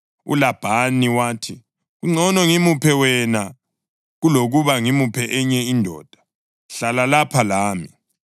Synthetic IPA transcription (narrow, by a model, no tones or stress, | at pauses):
ṵlab̥ʱaniwaːtʰi | ɣuŋ͡ǀʱɔnɔŋimupʰɛwɛna | ɣuloɣuβaŋimupʰɛʔɛɲɛindʱɔ̰ːd̥ʱḁ | ɬalalapʰalaːmi